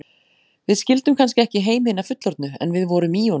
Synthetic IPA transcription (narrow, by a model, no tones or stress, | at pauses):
vɪðscɪlt̪ʏmkʰanscɪɛhcɪɦeːjmɪɪnafʏt̪lɔɾt̪nʏɛ̰nvɪðvɔɾʏmiɔ